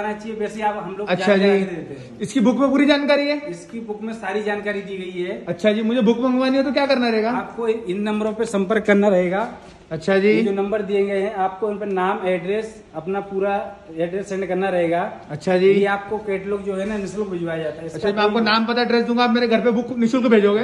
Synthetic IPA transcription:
ɐɾnat͡ʃaːɦieʋɛːseiaːpɦɐmloːɡɐtaʃʰad͡ʒiːd̪et̪e | ɪskibʊkmẽp̬uːɾid͡ʒaːnkaːɾiɦɛːɪskibʊkmẽsaːɾid͡ʒaːnkaːɾid̪iːɡɐiɦɛːɐtːʃʰad͡ʒiːmʊd͡ʒʱebʊkbɐ̃ŋɡʋaːniɦɛt̪okjaːkɐɾnaɾɐɦeːɡaːaːp̚koɪnːɐ̃mbɾõpesɐ̃mpəɾkːɐɾnaɾɐɦeːɡaː | ɐtːʃʰad͡ʒiːd͡ʒonɐ̃mbəɾd̪iẽɡɐeɦɛ̃aːp̚koɪnpenaːmɛːɖɾeːs | ɐpnapuːɾaɛːɖɾeːsːɛ̃ːɳɖkɐɾnaɾɐɦeːɡaːɐtːʃʰad͡ʒiːeaːp̚kokeːʈlokd͡ʒoːɦɛnamɪslokbʱɪd͡ʒʋaːjad͡ʒaːt̪aɦɛɪsɐtːʃʰad͡ʒimɛ̃aːkonaːmpɐt̪aɛɖɾeːs̬d̪ũːŋɡaːp̚meːɾeɡʱɐɾpebʊknɪʃʊlkobʱeːd͡ʒoːɡeː

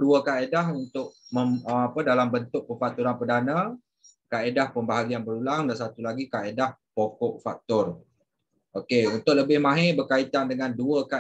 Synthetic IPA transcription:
duəkaedahunt̪ʊʔ̚məəapədalambənt̪ʊʔ̚pəfak̚t̪uɾanpədanə̃ | kaʔedahpəmbaɦaɡianbəɾulaŋdans̬at̪ulaɡikaʔedahpokɔʔfak̚t̪ɔr | okeunt̪ʊʔ̚ləbɪhmãɦebərkait̪andəŋanduəka

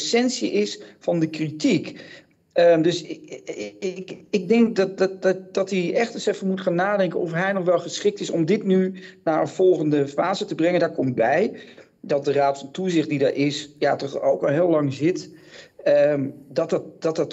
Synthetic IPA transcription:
sɛnsiəʔɪsfɑndəkritik | ədøs | ɪɡ̚dɪŋk̚d | dɑtiɛχtənsɛfənmutχaːnːaːdɛŋkənɔfɦɛjnɔχʋɛlˠχəsχɪk̚tɪsɔmdɪtnynaɹənv̥ɔlˠχəndəfaːzətəbrɛŋəndaːɹkɔmt̚bɛj | dɔt̚dəraːtfɔntuzɪχt̚didaɹʔɪsjatɔχowkɔlˠɦɪːlɑŋzɪt | ədɔttd̥ɑtət

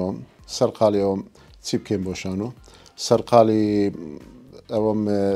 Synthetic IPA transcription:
ɐmsɐɾqʰaːliɐwɐm | t͡sʰip̚kʰemboʃaːnusɐɾqʰaːli | ɐwɐm

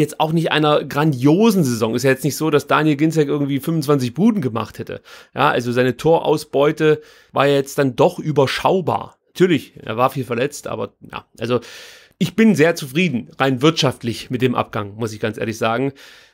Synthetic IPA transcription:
jɛt͡staʊxnɪçtʔa̰ɪnɐɡʁandjoːzn̩zezɔŋɪstjaːjɛt͡stnɪçtz̥oːdasd̥aːnjɛlɡɪnsɛkʔɪɐɡŋ̩tv̥iːfʏnmvʊnt͡sv̥ant͡sɪçb̥uːdn̩ɡəma̰χthɛtə̰ja̰ːʔa̰lzozaɪnətʰoːɐʔa̰ʊsb̥ɔʏtə | va̰ːeːɐjɛt͡st̚d̥andɔχʔyːbɐʃa̰ʊba̰ːɐnatʰyːɐlɪçʔḛːɐvaːɐfiːlfɛɐlɛt͡stʔa̰ːbɐja̰ːʔa̰lzo | ʔɪçb̥ɪnzeːɐt͡sufʁ̥iːdn̩ʁaɪnvɪɐtʃaftlɪçmɪt̚d̥eːmʔa̰p̚ɡ̥aŋmʊsɪçɡ̥ant͡sʔḛːɐlɪçz̥aːɡŋ̩

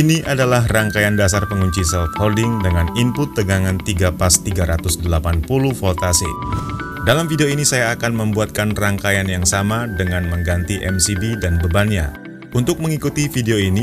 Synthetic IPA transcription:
iniʔadalaɦraŋkajandasarpəŋuɲt͡ʃisɛlt̪hɔldɪŋdəŋanimpʊt̪ːəɡaŋant̪iɡapast̪iɡaɾat̪ʊsdəlapanpuluhfɔlt̪asḭ | dalamfideoinisajaːkanməmbuat̪̚kanraŋkajanjaŋsamadəŋanməŋɡant̪iʔɛmsibidanbəbanɲa | unt̪ʊk̚məŋikut̪ifideoini

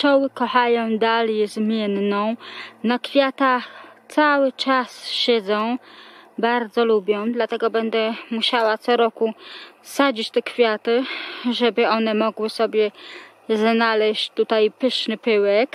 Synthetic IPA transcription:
t͡ʃɔwɘkɔxajɔ̃w̃d̪aljɛzmʲjɛnːɔ̃w̃nakfʲjat̪at̪sawɘt͡ʂasɕɛd̪zɔ̃w̃baɾd̪zɔlubʲjɔ̃w̃d̪lat̪ɛɡɔbɛnd̪ɛmuɕawat̪sɔɾɔkusad͡ʑit͡ɕt̪ɛkfʲjat̪ɘʐɛbɘɔnɛmɔɡwɘsɔbʲjɛ | znalɛɕt͡ɕt̪ut̪ajpɘʂnɘpɘwɛk

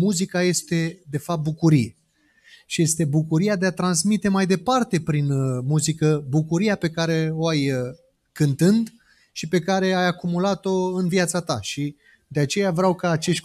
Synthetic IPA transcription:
muzikaje̞st̪e̞d̪e̞fap̚t̪̚bukuɾije̞ | ʃije̞st̪e̞bukuɾijad̪eat̪ɾansmit̪e̞majd̪e̞part̪e̞pɾinmuzikəbukuɾijape̞kaɾe̞o̞aj | kɨnt̪ɨnd̪ | ʃipe̞kaɾe̞ajakumulat̪o̞ɨnvjat̪sat̪a̰ʃi | d̪e̞at͡ʃe̞javɾeawkaːt͡ʃe̞ʃt̪ʲ

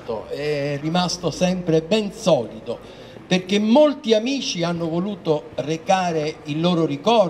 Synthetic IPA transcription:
t̪o̰ɛrːimast̪osɛmpɾebɛnsɔːlit̪o | perk̟emːolt̪iamiːt͡ʃianːovoluːt̪orekaːɾeilːoːɾorikɔ

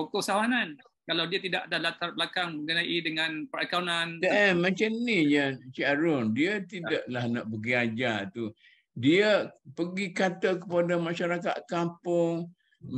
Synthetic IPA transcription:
okʊsawanan | kalawdiat̪idaʔadahlat̪arbəlakaŋməŋɡənaʔidəŋãnpəɾakanandəəmãt͡ʃamnijat͡ʃaɾʊndiət̪idaʔlahnaʔbəɡiad͡ʒat̪u | diəpəɡikat̪əkəpadamaʃaɾakat̪̚kampʊŋ

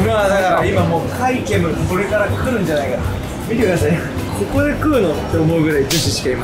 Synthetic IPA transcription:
mad̪akaɾaimamo̞ːkʰaike̞mɯ̟ko̞ɾe̞kaɾakɯ̟ɾɯ̟̃ɲ̟d͡ʑanaikaɾa | mʲit̪e̞kɯd̪as̬ai | ko̞ko̞d̪e̞kɯ̟ːno̞t̪ːe̞omo̞ɯ̟ɡɯ̟ɾaid͡ʑoɕiɕi̥kaimas

